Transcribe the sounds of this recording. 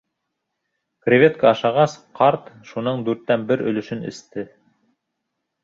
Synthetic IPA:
krʲevʲet̪kɑɑʃɑʁɑsqɑɾt̪ʃunɤɴd̪ʉɾt̪ːænbɘɾɵ̰̆lɵ̆ʃɵnɘ̰̆st̪ɘ

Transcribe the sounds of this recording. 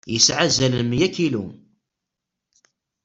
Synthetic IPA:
jəsʕazælmjækːilu

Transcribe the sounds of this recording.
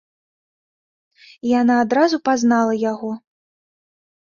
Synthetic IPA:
ijanaːd̪ɾazupaznalˠɐjaɣɔ

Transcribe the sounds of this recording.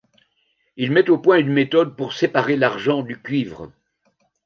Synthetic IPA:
ilmɛt̪opwɛ̃ynmet̪ɔd̪̚puʁsepaʁelaʁʒɑ̃d̪ykʲɥiːvʁə

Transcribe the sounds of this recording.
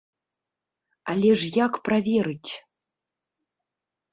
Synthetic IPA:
alʲɛʐjakpravʲɛɾɨtʲ

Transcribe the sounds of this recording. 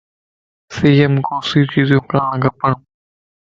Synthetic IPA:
siːəmkoːsiːt͡ʃiːzõːklãːɡʱəpəɳː

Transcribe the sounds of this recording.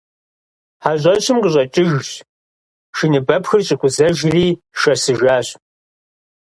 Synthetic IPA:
ħaʑʷʼɐɕɪmqəʑʼɐt͡ʃʼɪʒɕ | ʃinɨbɐpxɨrɕʼɪkʷʼʊzɐʒriː | ʃɐsɨʒaːɕ

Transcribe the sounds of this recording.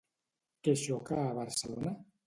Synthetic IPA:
keʃɔkaːβaɾselona

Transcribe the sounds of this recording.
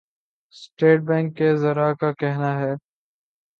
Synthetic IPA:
sʈeːʈ̚bɛ̃ːŋkːezɐɾakakɛɦnaɦɛː

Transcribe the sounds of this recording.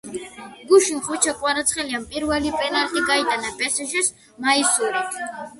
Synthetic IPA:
ɡuʃinχut͡ʃʰakʼwaɾat̪sʰχɛliampʼiɾvɛlipʼɛnalt̪ʼiɡait̪ʼanapʼɛsɛʃɛs | maisuɾi

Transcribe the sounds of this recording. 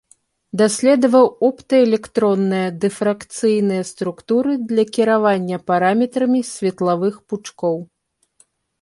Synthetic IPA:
d̪asʲlʲɛd̪ɐvɐwɔpt̪ɐɛlʲɛkt̪ɾɔnːɨjɐd̪ɛfɾakt̪sɨjnɨjɐst̪ɾukt̪uɾɨd̪lʲɐkʲiɾavanʲːɐpaɾamʲɛt̪ɾɐmʲisʲvʲɛt̪lˠavɨxput͡ʂkɔw

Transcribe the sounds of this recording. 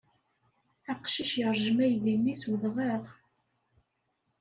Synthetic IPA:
əqʃiʃjəɾˤʒəmæjðimniswðʁəʁ

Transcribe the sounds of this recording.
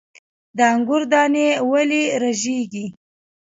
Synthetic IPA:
d̪əaŋɡʊɾd̪ɑnewaliɾaʒeɡi

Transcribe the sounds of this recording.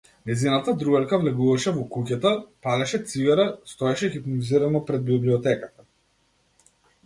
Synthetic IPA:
nɛzinat̪ad̪ɾubɛlkavlɛɡuvaʃɛvɔkucat̪apalɛʃɛt̪siɡaɾast̪ɔɛʃɛxipnɔziɾanɔpɾɛd̪̚bibliɔt̪ɛkat̪ḁ

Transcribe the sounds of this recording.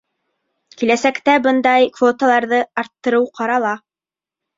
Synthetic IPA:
kilæsækt̪æbɤnd̪ɑjkvot̪alˠɑɾðɤɑɾt̪ːɤ̆ɾɤwqʰɑɾɑlˠɑ

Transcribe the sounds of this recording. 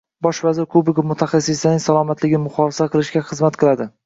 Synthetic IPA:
bɒʃvazɪɾkʰʊbɪɡʲamʊt̪ʰaχɑsːɪslanɪŋʲsalˠɒmat̪lɪɡʲɪnɪmʊχɒfɪsaqʰɨlˠɪʃkʲaχɨzmat̪qʰɨlˠad̪ɪ

